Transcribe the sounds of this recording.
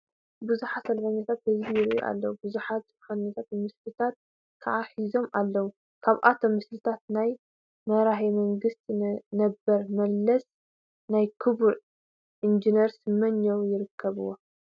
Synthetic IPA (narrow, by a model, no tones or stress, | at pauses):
bɨzuħasɐlfɐɲːɐt̪ʰat̪̚hɨzijɪɾʔṵʔa̰lːɐwubɨzuħaɨfɐɲːat̪ʰat̪mɨslɨt̪ʰat̪̚ | kʰɐʕaħizo̞mʔalːɐwu | kʰaβʔat̪ʰo̞mːɨslɨt̪ʰat̪̚naj | mɐɾaħemɐŋɡɨst̪ʰinɐbɐɾmɐlːɐs | najkʰɨβuʕ | ʔind͡ʒineɾsɨmːɐɲːowjɪɾɨkʰːɐβɨ̰wːo